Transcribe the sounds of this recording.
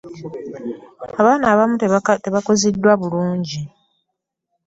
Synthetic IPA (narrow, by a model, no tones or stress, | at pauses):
aβaːnaːβamutte̞βakozidːwaβuluːɲɟi